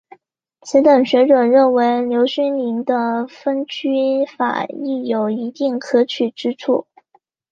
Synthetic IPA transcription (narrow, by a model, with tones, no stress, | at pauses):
t͡sʰi˧˥t̪ə˨˩ŋɕɥɛ˧˥ʈ͡ʂɤ˨˩ɻə˥˩nwe˧˥ɪljo˧˥ʊɕy˥nli˧˥nd̪ə˧fə˥nt͡ɕy˥fa̰˨˩i˥˩jo˨˩ʊi˧˥t̪i˥˩ŋkʰɤ˥t͡ɕʰy˨˩ʈ͡ʂɻ̩˥ʈ͡ʂʰu˥˩